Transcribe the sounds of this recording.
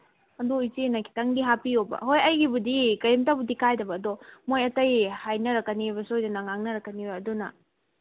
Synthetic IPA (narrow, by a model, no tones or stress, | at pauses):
ɐdujtinɐkʰi̥tɐŋdiɦapiobɐ̰ɦojɐjɡibudikɐjimtabudikʰajdɐbɐːdɔmojɐtɐjhajnɐɾɐkːɐniβɐsojdɐnɐŋaŋnɐɾɐkːɐnibɐɐdunɐ̰